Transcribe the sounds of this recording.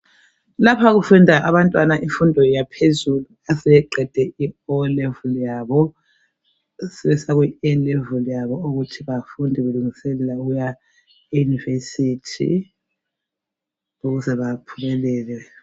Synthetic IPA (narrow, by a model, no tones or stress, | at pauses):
lapʰaɣufundʱaʔaβantʼwanaʔiɱfundʱɔjapʰezuluasɛjɛǃɛd̥ʱɛʔiɔlɛvulijaβɔ | sɛβɛsaɣwɛɛlɛvulijaβɔuɣutʰiβafundʱiɣuluŋisɛlɛlauuja | ɛjunivesitʰḭ | uɣuzɛβapʰuβɛlɛːlɛ